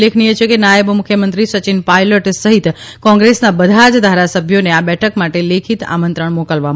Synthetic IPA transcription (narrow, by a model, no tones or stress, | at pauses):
lekʰniet͡ʃʰekenajəbmʊkʰjəmənt̪ɾisət͡ʃinpajləʈsəɦit̪kɔ̃ŋɡɾesnabəd̪ʱad͡ʒd̪ʱaɾasəbʱjoneabɛʈʰəkmaʈelekʰit̪a̰mə̃nt̪ɾəɳ̃mokəlʋam